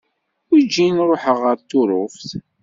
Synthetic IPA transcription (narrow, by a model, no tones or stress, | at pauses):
ʊɾd͡ʒːinɾoħəʁəɾt̪ʊɾˤʊfθ